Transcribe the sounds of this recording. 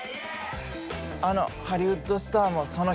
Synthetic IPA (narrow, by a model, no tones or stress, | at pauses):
ano̞̰haɾʲiɯt̪ːosɨ̥t̪aːmo̞so̞no